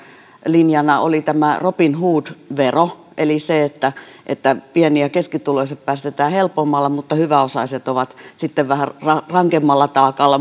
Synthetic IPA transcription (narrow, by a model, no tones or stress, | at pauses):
linjɑnɑʔo̰lit̪æmæropinhuːd̪ʋero | ʔeliseet̪ːæʔḛt̪ːæpiɛniækeskit̪uloisɑppæːst̪et̪æːhelpomːɑlːɑmut̪ːɑhyʋæosɑiset̪oʋɑt̪sit̪ːeʋʋæhærrɑrɑŋkemːɑlːɑt̪ɑːkɑlːɑ